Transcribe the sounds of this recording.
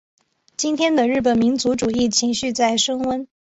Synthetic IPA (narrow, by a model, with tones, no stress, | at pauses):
t͡ɕi˥nt̪ʰjɛ˥nd̪ə˨ɻɻ̩˥˩p̬ə˨˩nmi˧˥nt͡su˧˥ʈ͡ʂu˨˩i˥˩t͡ɕʰi˧˥ŋɕy˥˧t͡sa˥˩ɪʂɤ˥ŋwə˥n